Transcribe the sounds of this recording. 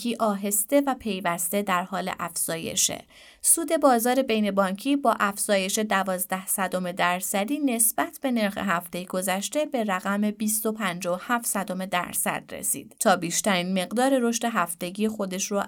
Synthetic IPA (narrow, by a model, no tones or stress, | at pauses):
iːʔɒːɦe̞st̪e̞væpʰe̞jvæst̪e̞d̪æɾhɒːle̞̰ʔæfz̥ɒːje̞̰ʃḛ | suːd̪e̞bɒːzɒːɾe̞be̞jne̞bɒːɲcʰiːbɒːʔæfz̥ɒːje̞ʃe̞d̪ævɒːzd̪æhsæd̪ome̞d̪æɾsæd̪iːne̞sb̥æt̪ʰb̥e̞ne̞ɾxḛɦæft̪e̞jeɡ̥o̞zæʃt̪e̞be̞ɾæɣæme̞biːst̪o̞pʰænd͡ʒɒohæft̪sæd̪ome̞d̪æ̰ɾsæ̰d̪̥ɾḛsḭːd̪̥t̪ʰɒːbiːʃt̪æɾiːnme̞ɣd̪ɒːɾe̞ɾo̞ʃt̪e̞ɦæft̪e̞ɟiːexo̞d̪e̞ʃɾo